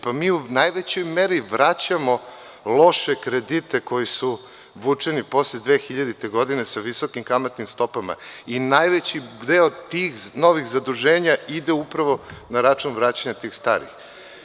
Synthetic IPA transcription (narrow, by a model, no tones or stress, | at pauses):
pamiːunajʋet͡ɕo̞jme̞ɾiʋɾat͡ɕamo̞ | lˠo̞ʃekɾe̞d̪it̪e̞ko̞jisu | ʋut͡ʂenipo̞sled̪ʋeːxiʎad̪it̪eɡo̞d̪inesaʋisokimkamat̪nimst̪o̞pama̰inajʋet͡ɕid̪eot̪ixno̞ʋixzad̪ɾuʒe̞ːɲaid̪eupɾaʋo̞naɾat͡ʃunʋɾaːt͡ɕaɲat̪iːxst̪aːɾḭx